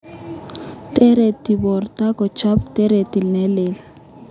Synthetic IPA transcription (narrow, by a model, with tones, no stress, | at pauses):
te˦ɾe˨ti˨bɔ˨rta˦kɔ˨t͡ʃʰa˦pte˦ɾe˨ti˨lnɛ˦lɛ˨la